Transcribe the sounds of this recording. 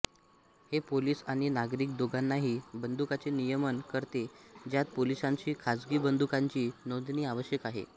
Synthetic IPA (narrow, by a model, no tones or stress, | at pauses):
hepoliːsaɽ̃inaɡɾiːk̚d̪oɡanːaɦiːbənd̪ukat͡senijəmənkəɾt̪ed͡ʑjat̪̚polisãɲt͡ɕiːkʰad͡zɡiːbənd̪ukaɲt͡ɕiːnod̪niːaʋəɕjəkaɦḛ